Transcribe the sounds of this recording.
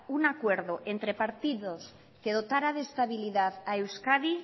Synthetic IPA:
unakwe̞ɾðoʔe̞nt̪ɾe̞paɾt̪iðo̞s | ke̞ð̞o̞t̪aɾaðe̞ːst̪aβiliðaðaewskaði

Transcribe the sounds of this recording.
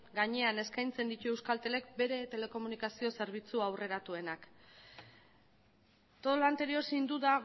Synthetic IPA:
ɡaɲe̞ane̞skajnt͡se̞nd̪it̪ue̞wskalt̪e̞le̞k̚be̞ɾe̞t̪e̞le̞ko̞munikasio̞se̞ɾβ̞it͡suawre̞ɾat̪ue̞nak | t̪o̞lant̪e̞ɾio̞sind̪uða

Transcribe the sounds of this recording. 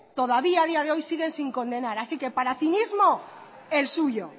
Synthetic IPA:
t̪o̞ðaβiaðiað̞e̞o̞jsiɣ̞e̞nsiŋkõ̞nd̪e̞naɾasike̞paɾaθinizmo̞ | e̞lsuʝo̞

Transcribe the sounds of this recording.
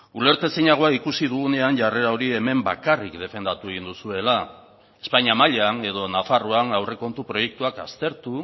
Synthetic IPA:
ule̞ɾt̪e̞siɲaɣ̞o̞aikusið̞uɣ̞une̞anʝare̞ɾao̞ɾie̞me̞mba̰karikd̪e̞fe̞nd̪at̪ue̞ɣind̪usue̞la | e̞spaɲiamaʎeane̞ð̞o̞nafaruanawre̞ko̞nt̪upɾo̞je̞k̚t̪uakast̪e̞ɾt̪u

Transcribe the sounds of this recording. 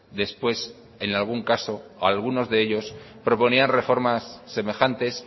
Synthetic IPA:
d̪e̞spwe̞s | e̞nalɣ̞uŋkaso̞alɣ̞uno̞zðe̞eʎo̞s | pɾo̞po̞nianre̞fo̞ɾmasːe̞me̞xant̪e̞s

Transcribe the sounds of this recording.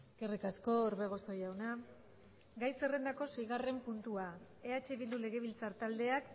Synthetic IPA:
kerikasko̞ːɾβe̞ɣ̞o̞so̞jawna | ɡajse̞re̞nd̪ako̞se̞jɣare̞mpunt̪ua | eat͡ʃe̞βild̪ule̞ɣ̞e̞β̞ilt͡saɾt̪ald̪e̞ak

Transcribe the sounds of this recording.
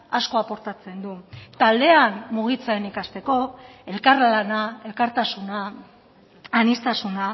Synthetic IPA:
asko̞apo̞ɾt̪at͡se̞nd̪ut̪ald̪e̞anmuɣ̞it͡saenikast̪e̞ko̞e̞lkaɾlanae̞lkaɾt̪asuna | nist̪asuna

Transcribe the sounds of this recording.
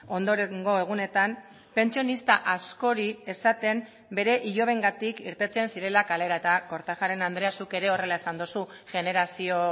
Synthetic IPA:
o̞nd̪o̞ɾeŋɡo̞e̞ɣ̞une̞t̪am | pe̞nt͡sio̞nist̪aʔasko̞ɾie̞sat̪e̞m | be̞ɾe̞ʔiʎo̞β̞e̞ŋɡat̪ikiɾt̪e̞t͡se̞nsiɾe̞lakale̞ɾae̞t̪ako̞ɾt̪axaɾe̞nand̪ɾeasuke̞ɾe̞o̞re̞laesand̪usuɣe̞ne̞ɾasio̞

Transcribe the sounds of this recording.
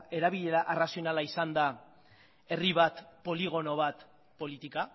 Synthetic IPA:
e̞ɾaβiʎe̞ɾaʔerasio̞nalaisand̪a | e̞riβ̞at̪po̞liɣ̞o̞no̞β̞at̪ | po̞lit̪ika

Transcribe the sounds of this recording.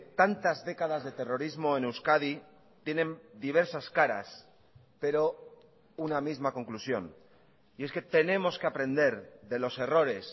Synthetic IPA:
t̪ant̪azðe̞kaðazðe̞t̪e̞ro̞ɾizmo̞enewskað̞i | t̪je̞nẽ̞nd̪iβ̞e̞ɾsaskaɾa̰s | pe̞ɾo̞ | unamizmako̞ŋklusjo̞̰n | ie̞ske̞t̪e̞nẽ̞mo̞skeapɾẽ̞nd̪e̞ɾðe̞lo̞se̞ro̞ɾe̞s

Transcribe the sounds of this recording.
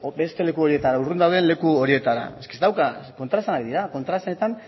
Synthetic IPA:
be̞st̪e̞le̞kuo̞ɾie̞t̪aɾaurund̪awðenle̞kuo̞ɾie̞t̪aɾa̰eskest̪awkako̞nt̪ɾasanakd̪iɾako̞nt̪ɾasanet̪an

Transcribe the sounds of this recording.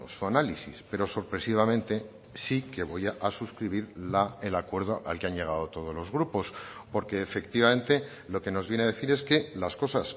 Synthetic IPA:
suanalisḭspe̞ɾo̞so̞ɾpɾe̞siβamẽ̞nt̪e̞ | sike̞βojaʔasuskɾiβ̞iɾlaelakwe̞ɾð̞oʔalkeaɲʝe̞ɣ̞aðo̞t̪o̞ð̞o̞zlo̞zɣɾupo̞spo̞ɾke̞ːfe̞kt̪iβame̞nt̪e̞ | lo̞ke̞no̞zβjeneaðe̞θiɾe̞ske̞lasko̞sas

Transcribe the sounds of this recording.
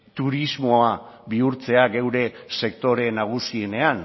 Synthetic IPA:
t̪uɾizmo̞aβiuɾt͡se̞aɣe̞wɾe̞se̞kt̪o̞ɾe̞naɣ̞usie̞ne̞an

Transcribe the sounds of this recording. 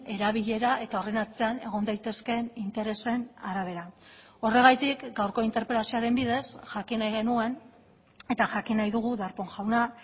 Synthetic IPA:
e̞ɾaβ̞iʎe̞ɾaʔe̞t̪ao̞re̞nat͡se̞ane̞ɣ̞o̞nd̪ajt̪e̞ske̞nint̪e̞ɾe̞se̞naɾaβ̞e̞ɾa | o̞re̞ɣ̞ajt̪ikɡawɾko̞int̪eɾpe̞lasioaɾe̞mbiðe̞sʝakinajɣe̞nue̞n | e̞t̪aʝakinajðuɣ̞uðaɾpo̞ŋʝawna

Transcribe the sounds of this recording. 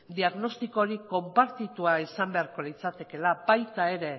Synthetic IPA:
d̪iaɣno̞st̪iko̞ɾiko̞mpaɾt̪it̪uaisambe̞aɾko̞lit͡sat̪e̞ke̞labajt̪ae̞ɾe̞

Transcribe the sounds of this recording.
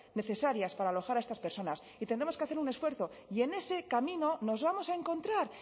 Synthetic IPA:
ne̞θe̞saɾjaspaɾaːlo̞xaɾae̞st̪aspe̞ɾso̞nas | it̪e̞nd̪ɾe̞moske̞aθeɾunesfwe̞ɾθo̞ | ie̞ne̞se̞kamĩno̞no̞zβamo̞sae̞ŋko̞nt̪ɾaɾ

